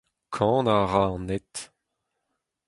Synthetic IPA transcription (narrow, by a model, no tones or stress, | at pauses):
kʰɑ̃ːnaʁaɑ̃net̪